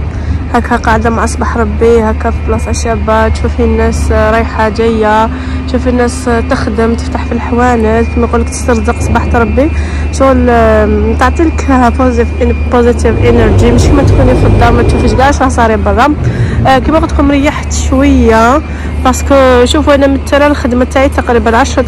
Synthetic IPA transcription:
hækhæqɑʕd̪amaʕʔɑsˤbɑħɾˤɑbːihækhæfiblɑsˤʕaʃæbat̪ʃufhinːæsɾˤijħad͡ʒæjːa | t̪ʃufinːæst̪əxd̪əmt̪ə̥ft̪aħfilħwænəlkimæqulːəkt̪ə̥st̪ɑɾˤd̪əqʔsˤbɑħt̪ɾˤɑbːi | ʃuɣl | t̪ɑʕt̪ˤiləkpozfpozit̪ivʔenəɾˤd͡ʒiməʃkəmæt̪kunifəd̪ˤːɑɾmæt̪ʃufiʃɡaʕʃɾɑhsˤɑɾibɑðˤːɑ | kimwɑqt̪kumɾəjːaħt̪ʃwəjːa | bɑskʃufuʔænæmət̪ːɾælxəd̪mat̪aʕit̪ɑqɾibænʕɑʃɾˤ

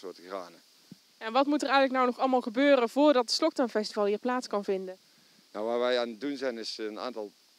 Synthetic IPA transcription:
ʊːtra̰ːnə | jɛnʋɑtmutərɛjɣələk̚nawnɔχɑlˠmaːlˠχəbøːrənvʊːɹdɑtətslɔk̚tanfɛstivɑlˠɦiːɹplaːtskɑnvɪndən | nawʋaːɹʋɛjaːnət̚dunzɛjnɪsəna̰ːntɑlˠ

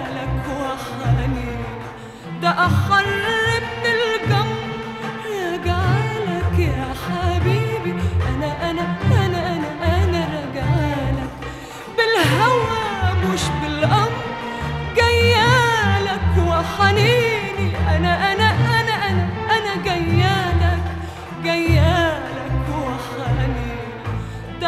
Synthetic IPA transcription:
lakwaħaniːnii | d̪aʔaħɑrˤːɪb̚ːɪlɡam | ɾaɡalakjaħabiːbiʔanaʔanaʔanaʔanaʔanaɾaɡaʕlak̚ | bɪlɦawamʊʃbɪlʔɑmɾˤɡajːalakwaħaliːniʔanaʔanaʔanaʔanaʔanaɡajːaːlak | ɡajːalakwaħani | d̪

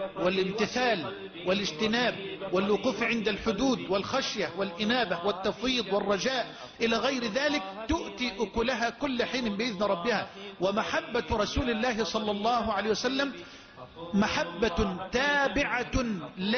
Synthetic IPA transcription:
wɪlɪmt̪ɪθaːl | wɪlɪd͡ʒt̪ɪnaːb̚wɪlwʊquːfʕɪnd̪alħʊd̪uːd̪wɪlxaʃjawɪlʔɪnaːbawɪt̪ːɑfɾiːd̪ˤwɪrˤːɑd͡ʒaːʔ | ʔɪlaːɣɑjɾɪðaːlɪk̚t̪ʊʔt̪iːʔʊkʊlaɦaːkʊlːaħiːnɪbɪʔɪðnɪɾˤɑbːɪhaːwamaħabːaɾˤɑsuːlɪlːaːɦɪsˤɑlːɑlˤːɑːɦʊʕalajhjwasalːam | maħabːat̪aːbɪʕal

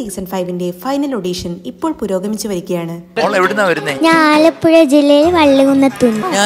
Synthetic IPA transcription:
iksɐnfɐjʋinde̞fɐjnɐlo̞ɽiːʂɐnipːo̞ːɭpuɾo̞ːɡɐmit͡ɕːuʋɐɾikʲːɐjaːɳɨeʋiɽenːaʋɐɾunːɐɲaːlɐpːuɻɐd͡ʑilːɐjilʋɐɭːiɣunːɐt̪ːunːua

